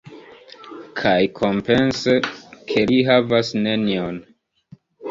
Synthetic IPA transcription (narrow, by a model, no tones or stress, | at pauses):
kʰajkʰo̞mpe̞nsekʰe̞liɦavasne̞nion